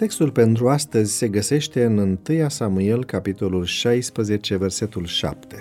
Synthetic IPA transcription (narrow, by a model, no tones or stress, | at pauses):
t̪e̞kst̪ulpe̞nt̪ɾuast̪əzʲse̞ɡəse̞ʃt̪e̞ɨnɨnt̪ɨjasamue̞lkapit̪o̞lulʃajspɾəze̞t͡ʃe̞ve̞rse̞t̪ulʃa̰p̚t̪e̞